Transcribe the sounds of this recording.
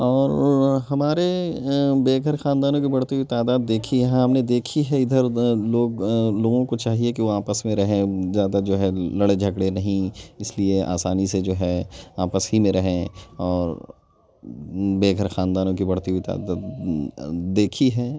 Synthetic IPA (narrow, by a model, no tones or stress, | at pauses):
ɔːɾɦɐmaːɾe | beːɡʱəɾxaːnd̪aːnõk̬ibɐɽt̪iɦuit̪aːd̪aːd̪ːeːkʰiɦɛ̃ɦɐmned̪eːkʰiɦɛɪd̪ʱəɾloːɡloːɡõkot͡ʃaːɦiekiʋoaːpəsmẽɾɐɦẽzjaːd̪ad͡ʒoːɦɛlɐɽed͡ʒʱɐkɽenɐɦĩɪslieʔa̰ːsaːnised͡ʒoːɦɛaːpəsɦimẽɾɐɦẽɔːɾ | beːɡʱəɾxãːnd̪aːnõkibɐɽ̤t̪iɦwit̪a̰ːd̪aːd̪ː | eːkʰiɦɛː